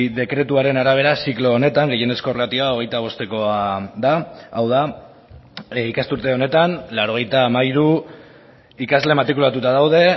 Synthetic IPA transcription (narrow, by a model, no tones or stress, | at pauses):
ðe̞kɾe̞t̪uaɾe̞naɾaβ̞e̞ɾasiklo̞ːne̞t̪aŋɡe̞je̞ne̞sko̞rat̪ioao̞ɣ̞e̞jt̪aβ̞o̞st̪e̞ko̞aðaawða | ikast̪uɾt̪e̞o̞ne̞t̪anlaɾo̞ɣ̞e̞jt̪aːmaiɾu | ikazle̞maɾt̪ɾikulat̪ut̪aðawðe̞